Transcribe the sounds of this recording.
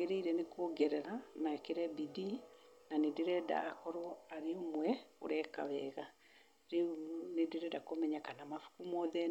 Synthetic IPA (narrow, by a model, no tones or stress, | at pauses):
eɾeiɾɛnekoɡɛɾɛɾanaɛkeɾɛbidi | nanedeɾɛda̰ːkɔɾoaɾeomwɛo̰ɾɛka̰βɛɣa | ɾenedeɾɛdakomɛɲakanamafu̥kumɔðɛ